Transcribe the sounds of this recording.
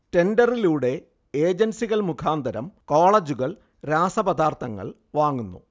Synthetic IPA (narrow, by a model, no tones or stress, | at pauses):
te̞ndɐriluːɽe̞ | eːd͡ʑɐnsiɣɐɭmukʰaːnd̪ʱɐɾɐ̰mko̞ːɭɐd͡ʑuɣɐɭ | ɾaːsɐbɐd̪aːrt̪ʰɐŋːɐ̰ɭ | ʋaːŋːunːṵ